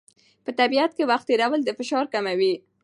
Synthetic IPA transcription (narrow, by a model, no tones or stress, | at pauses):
pət̪abiat̪̚kewaxt̪eɾawəld̪əfɪʃɑɾkamawi